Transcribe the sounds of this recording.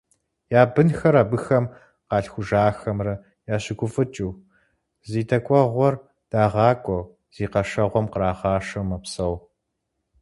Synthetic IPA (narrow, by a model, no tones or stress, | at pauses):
jaːbɨnxɐɾaːbɨxɐm | qɑːɬxʷʊʒaːxɐmrɐ | jaːɕɪɡʷʊfʼɨt͡ʃʼuː | ziːtʰɐkʷʼɔʁʷɔr | d̥aːʁɑːkʷʼɔw | z̥iːqɐʃɐʁʷɔmqəɾaːʁɑːʂɐmɐpsɐw